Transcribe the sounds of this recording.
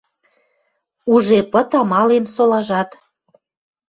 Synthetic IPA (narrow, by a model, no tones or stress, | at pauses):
uʒepə̆t̪ɑmɑlensolɑʒɑt̪